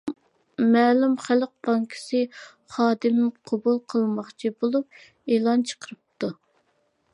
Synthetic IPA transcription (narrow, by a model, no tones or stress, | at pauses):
mɛːlumχæləq̚bɑŋkʲʰi̥sɪ | χɑːd̪ɨmqʰobulˠqʰəlˠmɑχt͡ʃʰibolˠup̚ | eːlˠɑnt͡ʃʰə̥qʰəɾɨp̚t̪ʰu